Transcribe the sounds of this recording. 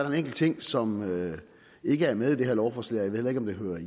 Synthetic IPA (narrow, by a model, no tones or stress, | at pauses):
ɐɾɑ̈e̝neŋ̰ɡ̥l̩t͡sʰe̝ŋ̰sɒ̽mø | e̝ɡ̥əæɐmeð̞ˠid̥eheɐlɒʊfɒslḛɐjaʋe̝ð̰ˠjˠeɡ̥ɒ̽md̥e̝ɦøːɐ